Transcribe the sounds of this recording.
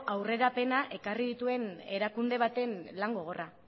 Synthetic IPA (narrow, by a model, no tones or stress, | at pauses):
ʔawre̞ɾape̞naʔe̞kariðit̪ue̞ne̞ɾakund̪e̞β̞at̪e̞nlaŋɡo̞ɣ̞o̞ra